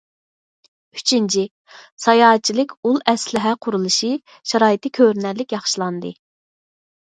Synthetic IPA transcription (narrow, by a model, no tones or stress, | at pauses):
y̥t͡ʃʰint͡ʃʰi | sɑjɑːɛt̚t͡ʃʰːilɪkʲulˠɛslɪɦɛqʰʊɾulˠɨʃi | ʃɑɾɑːjit̪ʰɨkʲʰøɾnɛlːɪkʲjɑχʃilˠɑnd̪ɨ̰